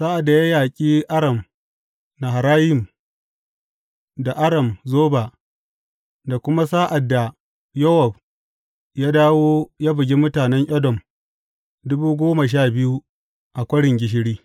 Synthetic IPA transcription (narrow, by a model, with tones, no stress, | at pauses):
saː˦ʔa˨dːa˨ja˦jaː˨kʲʼiː˦ʔa˦ɽɐ˨m | na˨ɦa˨ɾaː˦jɪ˨m | da˨ʔa˦ɽɐ˨mzoː˦ba˨ | da˨kʷʊ˦ma˦saː˦ʔa˨dːa˨ | jɔ˦hɔ˨b | jaː˦daː˦woː˦jaː˦bɪ˨ɡʲi˦mʊ˦taː˨nɛ˦ɲʔɛ˦dɔ˨m | dʊ˦buː˦ɡʷoː˦ma˨ʃ̬aː˦˨bɪ˦ju˦ | ʔa˨kʷɐ˦ɽɪ˨ŋɡʲɪ˨˦ʃ̬ɪ˦ɽiː˦